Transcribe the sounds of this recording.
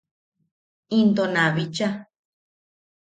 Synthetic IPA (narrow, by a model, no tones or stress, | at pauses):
ĩnd̪onãβit͡ʃa